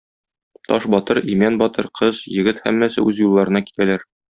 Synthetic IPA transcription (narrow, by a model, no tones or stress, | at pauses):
t̪ɒʃbɒt̪ɤɾimænbɒt̪ɤɾqʰɤzjɘ̆ɡɘt̪hæ̰mːæsɘ̰ʉzjulˠːɑɾɤ̆nɑki̥t̪ælæɾ